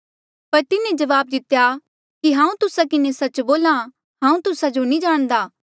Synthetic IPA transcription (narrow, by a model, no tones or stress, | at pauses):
pɐɾt̪ɪnẽd͡ʒɐʋaːb̚d̪ɪt̪ja | kiɦãːũt̪ʊsakɪnesɐt͡ʃboːlã | ɦãːũt̪ʊsad͡ʒonĩd͡ʒaːɽ̃d̪aː